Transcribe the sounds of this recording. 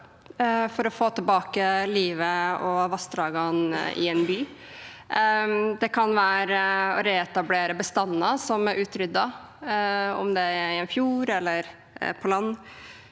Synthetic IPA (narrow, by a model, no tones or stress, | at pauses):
fɔɾɔfoːt̪ʰəlbɑːkəliːʋəɔʋɑst̪ɾɑːɡɑnɪ̰ɛnbyː | d̪ɛkʰɑnʋæːɾəɔɾɛɛt̪ɑbleːɾəbəst̪ɑnːɑsɔmæɾʉːt̪ɾʏd̪ːɑ | ɔ̰md̪ɛæɪɛnfjuːɾɛlːəɾ | pʰɔlɑnː